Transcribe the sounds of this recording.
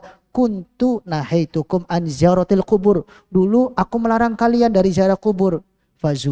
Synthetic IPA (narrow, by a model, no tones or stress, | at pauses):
kunt̪unahajt̪ukʊmʔanziaɾɔt̪alkubʊr | duluʔakuməlaɾaŋkaliandaɾiziaɾakubʊr | fazu